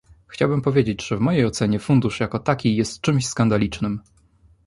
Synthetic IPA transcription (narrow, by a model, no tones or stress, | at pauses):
xt͡ɕawbɘmpɔvʲjed͡ʑet͡ɕʐ̥ɛvmɔjejɔt̪sɛɲɛfund̪uʂjakɔt̪akʲijɛst̪t͡ʂɘmɕskand̪alʲit͡ʂnɘm